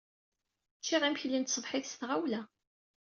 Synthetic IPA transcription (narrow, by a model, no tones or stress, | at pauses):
t͡ʃːiʁæmçlint̪sˤəvħɪθsθʁawlæ